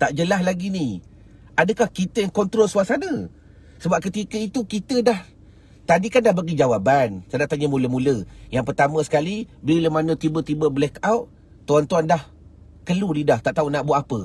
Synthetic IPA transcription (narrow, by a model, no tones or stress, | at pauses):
t̪aʔd͡ʒəlaɦlaɡini | ʔadəkahkit̪əjaŋkɔnt̪ɾolsuasanə̃ | səbap̚kət̪ikəit̪ukit̪ədah | t̪adikandahbaɡid͡ʒawabansadaʔt̪aɲəmũləmuləjaŋpərt̪amə̃sə̥kalibəliləmanət̪ibət̪ibəblɛkawʔ | t̪uant̪uandah | kəludidaht̪aʔt̪aunaʔbuaʔapə